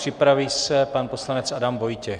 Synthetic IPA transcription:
r̥ɪpɾaviːsɛpanpo̞slanɛt͡sʔadamvo̞jcɛ

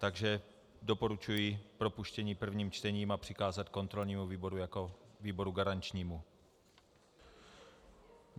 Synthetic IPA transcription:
t̪aɡʒɛ | do̞po̞ɾut͡ʃujipɾopuʃcɛɲiːpr̩vɲiːmt͡ʃt̪ɛɲiːmapr̝̥ɪkaːzat̪ko̞nt̪ɾo̞lɲiːmuviːbo̞ɾujakoviːbo̞ɾuɡaɾant͡ʃɲiːmu

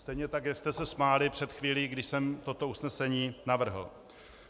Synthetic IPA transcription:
st̪ɛjɲɛt̪akjakst̪ɛsɛsmaːlɪpr̝̥ɛt̪xviːliːɡdɪʃsɛmt̪o̞t̪o̞usnɛsɛɲiːnavr̩ɦl̩

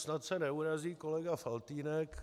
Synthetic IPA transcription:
snat̪sɛnɛuɾaziːkolɛɡafalt̪iːnɛk

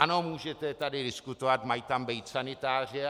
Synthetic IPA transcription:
ano̞muːʒɛt̪ɛt̪adɪdɪskut̪ovat̪majt̪ambijt̪sanɪt̪aːr̝ɪ

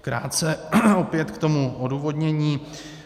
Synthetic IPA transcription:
kɾa̰ːt̪̚t͡sɛopjɛt̪kt̪o̞muʔoduːvo̞dɲɛɲiː

